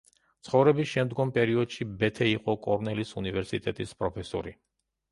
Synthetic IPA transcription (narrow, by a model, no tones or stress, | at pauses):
t̪sʰχɔvɾɛbisʃɛmd̪ɡɔmpʼɛɾiɔd̪ʃibɛt̪ʰɛiqʼɔkʼɔɾnɛlisunivɛɾsit̪ʼɛt̪ʼispʼɾɔpʰɛsɔ̰ɾi